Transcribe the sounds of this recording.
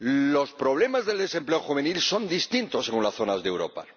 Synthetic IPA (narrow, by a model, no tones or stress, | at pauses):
lo̞spɾo̞β̞le̞mazðe̞ld̪e̞se̞mple̞oxuβe̞nilso̞nd̪ist̪int̪o̞seɣunlasθo̞nazðe̞wɾo̞̰pa̰